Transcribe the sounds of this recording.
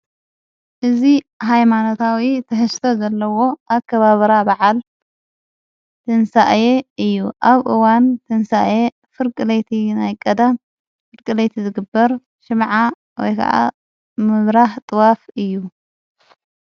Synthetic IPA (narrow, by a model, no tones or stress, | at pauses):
ʔɨzi | ɦajmano̞t̪ʰawit̪ʰɐħɨst̪ʰozɐlːɐwo̞ʔaβkʰɐβaβɐɾabaʕal | t̪ʰɨnsaʔjeɨjːuʔaβʔɨwant̪ʰɨnsaʔje | fɨɾkʼɨlejt̪ʰinajkʼɐd̪am | fɨɾkʼɨlejt̪ʰizɨɡɨbːɐɾ | ʃɨmʕa | wɔ̰jkʰɐ̰ʔa̰ | mɨβɾaht̪ʼɨwafɨjːu